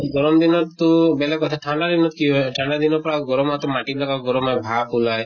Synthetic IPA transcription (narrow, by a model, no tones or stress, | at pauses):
ɡɔɾɔmd̪inɔt̪ubelekɔt̪ʰaʈʰaɳɖad̪inɔt̪kiʈʰaɳɖad̪inɔpɔɾaɡɔɾɔmat̪ɔmaʈiblakaɡɔɾɔmabʱapulaj